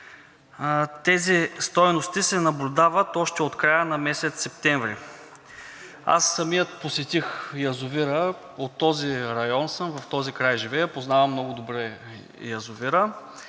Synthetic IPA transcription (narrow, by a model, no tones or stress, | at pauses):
t̪ɛzist̪ɔjnost̪isɛnɐblʲʊd̪avɐt̪ɔʃt̪ɛot̪kɾajənɐmɛsɛt̪sːɛpt̪ɛɱvɾḭ | a̰sːɐmijət̪̚posɛt̪ixjɐzʊviɾə | ot̪ːɔziɾɐjɔnsəmvɐft̪ɔzikɾajʒivɛjəpoznavɐmnɔɡʊd̪obɾɛ | jɐzʊviɾə